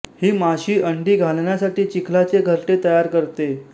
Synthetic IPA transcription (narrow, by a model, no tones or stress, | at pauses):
hiːmaɕiːʔəɳɖiːɡʱalɳjasaʈiːt͡ɕikʰlat͡seɡʱəɾʈet̪əjaɾkəɾt̪e